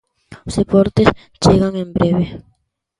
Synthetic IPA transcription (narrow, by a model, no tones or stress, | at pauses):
osðepɔɾt̪es | t͡ʃeɣaŋẽmbɾeβe